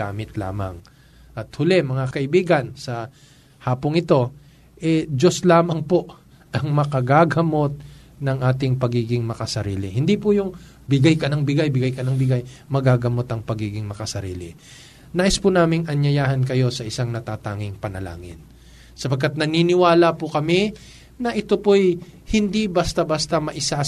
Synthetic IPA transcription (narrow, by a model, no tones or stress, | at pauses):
aːmɪt̪la̰ːmɐ̰ŋ | ʔɐt̪̚hʊlɛmɐŋakɐʔɪbiːɡɐnsɐ | haːpoŋɪt̪o̞ | ʔɛd͡ʒoslaːmɐŋpoʔ | ʔɐŋmɐkɐɡaɡɐmo̞t̪̚ | nɐŋʔaːt̪̬ɪŋpɐɡiːɡɪŋmɐkɐsɐɾḭːlɪhɪnd̪ipʊjʊŋ | bɪɡajkɐnɐŋbɪɡajbɪɡajkɐnɐŋbɪɡajmɐɡaːɡɐmo̞t̪ɐŋpɐɡiːɡɪŋmɐkɐsɐɾḭːlɪ̰ | naːʔɪspʊnaːmɪŋʔɐɲjɐjaːhɐnk̬ɐjo̞sɐʔɪsaŋnɐt̪aːt̪aːŋɪŋpɐnɐ̰la̰ːŋɪ̰n | sɐpɐɡkːat̪̚nɐninɪwaːlɐpʊkɐmɪ | nɐʔɪt̪opoj | hɪnd̪ibɐst̪abɐst̪ɐmɐʔɪsa